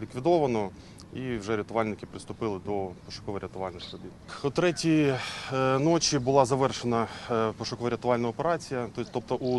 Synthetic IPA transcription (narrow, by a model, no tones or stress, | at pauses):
lʲikʋʲid̪ɔʋɐnɔ | iwʒɛɾʲɪt̪ʊʋɑlʲnɪkɪpɾɪst̪ʊpɪlˠɪd̪ɔpɔʃɐ̥kɔʋɔɾʲɪt̪ʊʋɑlʲnɪxɾɔbʲit̪̚ʊt̪ɾɛtʲi | nɔt͡ʃʲibʊlˠɑzɐʋɛrʃenɐpɔʃɐkɔʋɐɾʲɪt̪ʊʋɑlʲnɐɔpeɾɑt͡sʲijɐt̪ɔt̪ɔp̚t̪ɔʔu